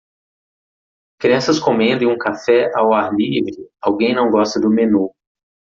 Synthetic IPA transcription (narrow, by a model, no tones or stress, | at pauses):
kɾiɐ̃sɐskõmẽd̪ɪ̃ũkafɛʔawaɾlivɾɪawɡẽj̃nɐ̃w̃ɡɔst̪ɐd̪ʊmenu